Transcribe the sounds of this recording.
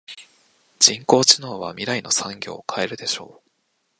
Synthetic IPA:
d͡ʑ̥ĩŋko̞ːt͡ɕino̞ːβa̰mʲiɾaino̞sãŋɡʲo̞̰ːkʰae̞ɾɯ̟d̪e̞ɕo̞̰ː

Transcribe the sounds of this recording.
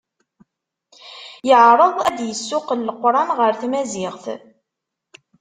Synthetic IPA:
jəʕɾˤəðˤæd̪jəsːʊqəlːqːɾˤɑnʁəɾθmæzɪʁθ

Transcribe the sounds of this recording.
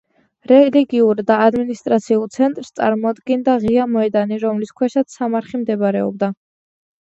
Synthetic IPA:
ɾɛliɡiuɾd̪aːd̪minist̪ʼɾat̪sʰiulˠt̪sʰɛnt̪ʼɾst̪sʼa̰ɾmɔd̪ɡɛnd̪aʁiamɔɛd̪aniɾɔmliskʰwɛʃat̪sʰsːamaɾχimd̪ɛbɾɛɔ̰b̚d̪a

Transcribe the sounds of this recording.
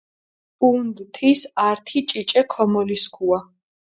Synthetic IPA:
und̪t̪ʰisaɾt̪ʰit͡ʃʼit͡ʃʼɛkʰɔmɔliskʰua

